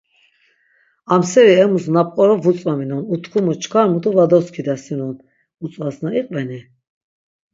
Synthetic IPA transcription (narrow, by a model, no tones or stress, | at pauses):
amsɛɾiɛmusnap̚ʼqʼɔɾɔvut͡sʼvaminɔnut̪ʰkʰumut͡ʃʰkʰaɾmut̪ʼuvad̪ɔskʰid̪asinɔn | ut͡sʼvasnaiqʼvɛni